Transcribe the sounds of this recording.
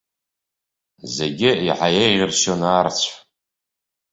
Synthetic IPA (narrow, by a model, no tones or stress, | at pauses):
zeɡʲɪiħajejʁʲɪrʃonaːrt͡sʷʰħ